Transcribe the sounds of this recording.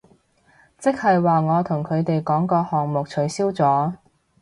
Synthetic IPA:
t͡sɪ˥k̚hɐ˨jwaː˨ŋɔː˨˧t̪ʰʊ˨˩ŋkʰɵ˨˧ɥt̪e˨jkɔː˨˥ŋkɔː˧hɔː˨˩ŋmʊ˨k̚t͡ʃʰɵ˨˥ɥsiː˥wt͡sɔː˨˥

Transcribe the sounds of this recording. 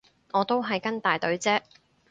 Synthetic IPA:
ŋɔː˨˧t̪o˥wɦɐ˨jkɐ˥nt̪aː˨˩jt̪ɵ˨˥ɥt͡sɛː˥

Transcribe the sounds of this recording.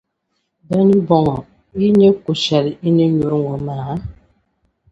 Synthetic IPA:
bɛ˦ni˦bɔ˨ŋɔ˨ | i˦ɲe˦ku˨ʃa˨ɾi˨i˦ɲe˦ɲu˨ɾŋɡɔ˨maː˨˦

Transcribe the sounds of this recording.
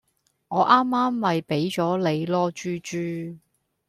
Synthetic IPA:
ŋɔː˨˧ʔaː˥mːaː˥mːɐ˨jpe˨˥jt͡ʃɔː˨˥le˨˧jlɔː˥t͡ʃyː˥t͡ʃyː˥˧

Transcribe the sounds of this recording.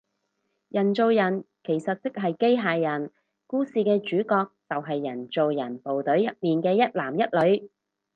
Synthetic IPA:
jɐ˨˩nt͡so˨wjɐ˨˩n | kʰe˨˩jsɐ˨t̚t͡sɪ˥k̚ɦɐ˨jke˥jɦaː˨jːɐ˨˩n | kuː˥siː˨˧kɛː˧t͡ʃyː˨˥kɔː˧k̚t͡sɐ˨wɦɐ˨jːɐ˨˩nt͡so˨wjɐ˨˩npo˨wt̪ɵ˨˥ɥjɐ˨t̚miː˨nkɛː˧jɐ˥t̚laː˨˩mjɐ˥t̚lɵ˨˧˥ɥ

